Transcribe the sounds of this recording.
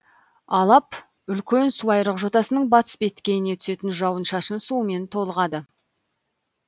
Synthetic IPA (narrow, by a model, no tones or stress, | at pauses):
ɑlˠɑp | ʏlkʲe̞nsuɑjɾəqʒo̞t̪ɑsənəɴbɑt̪ə̥sbe̞t̪kʲe̞jɪne̞t̪ʰʏ̥se̞t̪ɪnʒɑwənʃɑʃənsume̞nt̪ʰo̞lˠəʁɑd̪ə